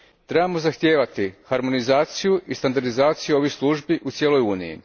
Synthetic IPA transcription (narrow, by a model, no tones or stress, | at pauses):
t̪ɾe̞bamo̞zaxt̪jeːʋat̪ixaɾmo̞nizaːt̪sijuʔist̪and̪aɾd̪izaːt̪sijuo̞ʋiçslˠuʒbiʔut̪sjeːlo̞juːnijḭ